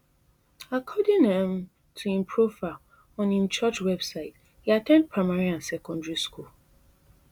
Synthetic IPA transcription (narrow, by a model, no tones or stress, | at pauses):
akʰɔdɪ̃ŋɛ̃m | tʰuĩmpʰɹuva | ɔ̃nĩmt͡ʃʰɔt͡ʃwɛbsaɪt | hiatʰɛ̃nd̚pʰɹaɪmaɹiãnsɛkʰɔ̃ndɹiskʰul